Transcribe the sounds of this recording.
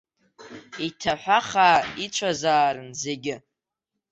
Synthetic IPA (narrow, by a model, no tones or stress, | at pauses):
itʰaħʷᶣaχaːit͡ʃʷʰʼazaːɾɨnzeɡʲɪ